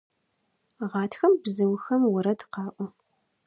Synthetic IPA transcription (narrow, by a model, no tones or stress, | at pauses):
ʁɑːtʰxɐmbzɨwxɐmwʊɾɐdqɑːʔʷɔ